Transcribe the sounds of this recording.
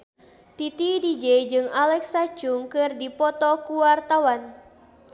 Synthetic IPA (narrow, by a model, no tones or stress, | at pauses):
t̪it̪idid͡ʒɛjd͡ʒɨŋalɛksat͡ʃuŋkɨrdipɔt̪ɔkuwart̪awan